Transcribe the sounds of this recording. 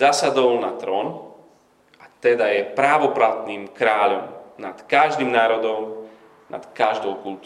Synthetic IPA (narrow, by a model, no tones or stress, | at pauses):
aːsad̪ɔlnat̪ɾɔːn | ʔat̪ɛd̪ajɛpɾaːʋɔpɾaʊd̪niːmkɾaːʎɔmnat̪kaʒd̪iːmnaːɾɔd̪ɔm | na̰t̪kaʒd̪ɔʊkult̪ː